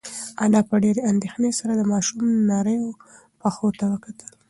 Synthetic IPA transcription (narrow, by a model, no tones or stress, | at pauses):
alɑpəɖeɾeand̪exnesaɾad̪əmɑʃumnaɾəjo | paxot̪awəkat̪ʰəl